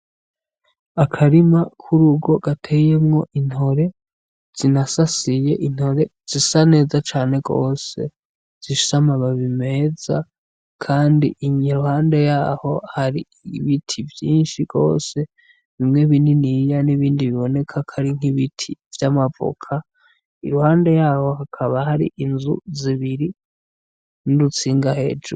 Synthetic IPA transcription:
akʰaɾimakʰuɾuɡo̞ɡ̥atʰe̞je̞mŋo̞ʔin̥ho̞ɾe̞ | z̥inasasije̞ʔin̥ho̞ɾe̞ | z̥isane̞ːzat͡ʃaːne̞ɡo̞ːse̞̰ | z̥iʃu̥samaβaβime̞z̥a | kʰaːndiʔiɲiɾuhaːnde̞jaːho̞haɾi | βitʰivjiːnʃiɡ̥o̞̰ːse̞ | βimŋe̞βininijaniβiːndiβiβo̞ne̞kʰakʰaɾiŋ̥iβitʰivjamavo̰kʰa | ḭɾuhaːnde̞jaːho̞hakʰaβahaɾḭʔinzṵziβiɾi | nuɾut͡siːŋɡahe̞̰ːd͡ʒṵ

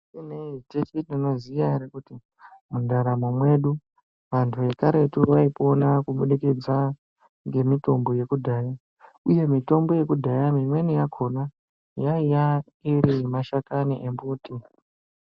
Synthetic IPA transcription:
ineitet͡ʃininozijaɾekuti | mundaɾamumwe̞ɗu | ʋantʰue̞kaɾe̞turwaipo̞nakuɓuɗikid͡za | ŋɡe̞mito̞mbo̞je̞kudʱaːja | uje̞mito̞mbo̞je̞kudʱajamimwe̞nijakʰo̞na | jaija | iɾimaʃakaniʔembuːti

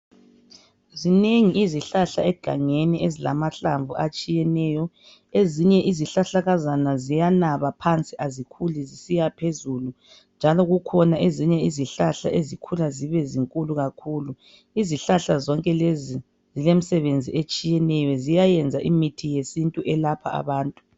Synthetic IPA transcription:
zineŋiiziɬaɬaɛɡ̥ʱa̰ŋeniezila̰maɬaɱvuʔat͡ʃʼijɛnɛːjɔ | eziɲɛʔiziɬaɬaɣazanazijanaβapʰant͡sʼiʔazikʰulizisijapʰezulu | nd͡ʒʱalɔɣukʰɔnaʔeziɲɛiziɬaɬa̰ʔezikʰulaziβɛziŋkʼuluɣakʰuːlu | iziɬaɬazɔŋkʼɛlezi | zilem̩sɛβend͡zʱiet͡ʃʼijɛnɛjɔzijajɛnd͡zʱaʔimitʰijesintʼuʔɛlapʰa̰a̰βaːntʼu̥

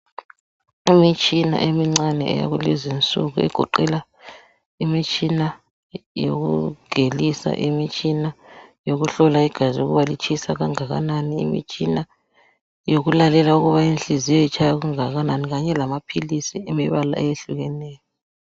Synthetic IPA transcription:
imit͡ʃʼina̰ʔemiŋ͡ǀanɛ̰ɛ̰ja̰ɣulɛzint͡sʼṵɣṵɛ̰ɡ̥ʱɔǃɛla | imit͡ʃʼina | jo̰ɣṵɡ̥ʱelisa̰ʔimit͡ʃʼinajoɣuɬɔlaiɡ̥ʱaziuɣuβalit͡ʃʰʼisaɣaŋaɣa̰naniḭmḭt͡ʃʼina | joɣulalɛlauɣuβainɬʼizijɔit͡ʃʰʼajaɣuŋaɣananiɣaɲɛlamapʰilisiimiβala̰ʔɛjeɬuɣɛnɛːjɔ

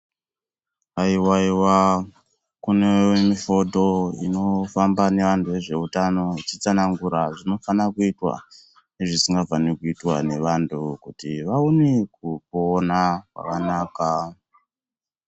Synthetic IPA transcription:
aiwaiwa | kunewemifo̞to̞ḭno̞fambane̞ʋantuʋe̞ʐe̞utano̞t͡ʃit͡sanaŋɡuɾaʐino̞fanakuitwa̰ | neʐisiŋɡavanekuitwane̞ʋantukutiʋaunekupoːnakwa̰kanaːka

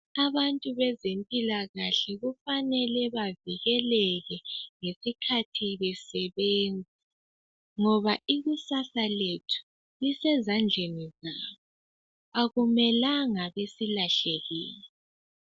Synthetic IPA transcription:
aβantʼuβɛzempʼilaɣaɬɛɣufanɛlɛβaviɣɛlɛɣɛŋesikʰatʰiβɛsɛβeːnd͡zʱi | ŋɔβaiɣusasaletʰu̥ | lisɛzand͡ɮʱenizaːβɔ | aɣumɛlaŋaβesilaɬɛɣḭːlɛ

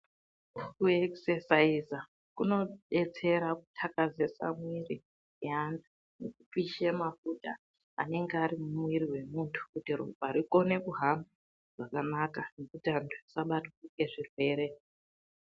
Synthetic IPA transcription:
kueksesaiza | kuno̞ɓe̞t͡se̞ɾaku̥tʰakazesa̰mwiri | eantʰu | nekup͡fiʃemafuta | a̰ne̞ŋɡeaɾimumwiriwe̞muntʰu̥kutirṵbʱaɾiko̞ne̞kuɦamba | ʐ̥akanakane̞kutiantʰuisaɓatukuke̞ʐirwe̞ːɾe̞

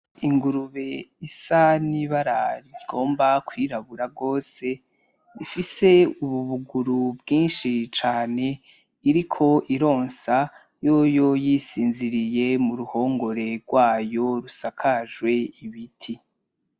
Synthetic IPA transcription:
iŋɡuɾuβe̞isaniβaɾaɾiɡ̥o̞ːmbakwiːɾaβuɾaɡo̞ːse̞ | ifise̞uβuβuɡuɾubɡiːnʃit͡ʃaːne̞ | iɾikʰo̞ʔiɾo̞ːnsa | jojo̞jisiːnziɾijemuɾuho̞ːŋɡo̞ɾe̞ɾɡ̥waːjo̞ɾusakʰaʒwe̞iβitʰi

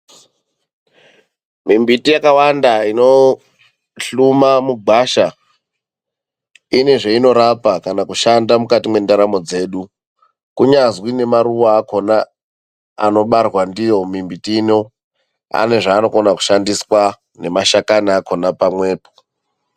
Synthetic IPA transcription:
mimbitijakawandaino̞ | ɬumamuɡʱaʃa | ine̞ʐeino̞ɾapakanakuʃandamukatimwe̞ndaɾamo̞d͡ze̞ːɗu | kuɲazwine̞maɾuʋaːko̞na | a̰no̞ɓarwandijo̞mimbitiːno̞ | a̰ne̞ʐaːno̞konaku̥ʃandiswa | ne̞maʃakanaːkonapamwe̞ːpo̥

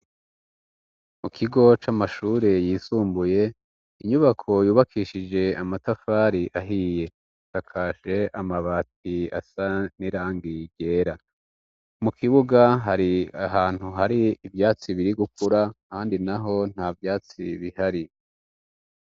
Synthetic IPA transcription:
mukʰiɡo̞t͡ʃamaʃuːɾe̞jiːsuːmbuje̞ | iɲuβakʰo̞juːβakiʃid͡ʒe̞amatafaːɾiʔaɦiːje̞ | takʰaːʃe̞ʔamaβaːt̚ia̰saniɾaːŋɡiɟe̞ːɾa | mukʰiβuɡaɦaɾiaɦaːn̥huɦaɾiːvjaːt͡siβiɾiɡukuɾakaːndinaɦo̞n̥havjaːt͡siβihaɾi

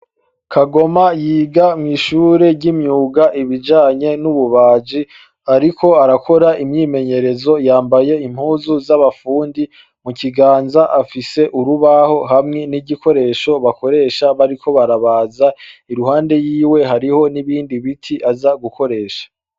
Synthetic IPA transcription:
kʰaɡo̞majiːɡamŋiːʃuːɾe̞ɟimɲuːɡaʔiβid͡ʒaːɲe̞nuβuβaːd͡ʒi | aɾiko̞aɾakʰo̞ɾaʔimɲiːme̞ɲe̞ɾe̞zo̞jaːmbaje̞im̥huːzuzaβafuːndi | muciɡaːnzaʔafise̞ʔuɾuβaho̞ɦamŋe̞niɟiko̞ɾe̞ːʃo̞βako̞ɾe̞ːʃaβaɾikʰo̞βaɾaβaːzaiɾuhaːnde̞jiːwe̞ɦaɾiho̞niβiːndiβitʰiʔazaɡuko̞ɾe̞ːʃḁ

